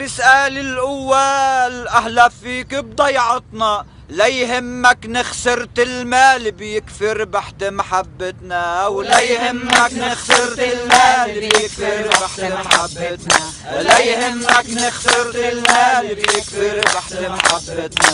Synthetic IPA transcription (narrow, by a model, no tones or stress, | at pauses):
bɪsʔaːlɪlʔʊwːalʔahlafiːkɪb̚d̪ɑjʕɑt̪ˤnɑ | lajɦɪmːaknɪxsɪɾt̪ɪlmaːlbjɪkfɪɾbaħt̪maħabːat̪naʔawlajhɪmːaknɪxsɪɾt̪ɪlmaːjɪfɪɾbaħmaħabːt̪na | lajhɪmːaknɪxsɪɾt̪ɪlmaːllbjɪkfɪɾbaħt̪maħabːat̪na